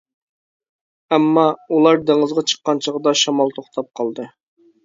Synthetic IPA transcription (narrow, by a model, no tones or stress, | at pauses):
ɛmːɑulˠɑɾd̪eŋɨzʁɑt͡ʃʰə̥qːɑnt͡ʃʰəʁəd̪ɑʃɑmɑlˠt̪ʰoχt̪ʰɑp̚qʰɑlˠd̪ɨ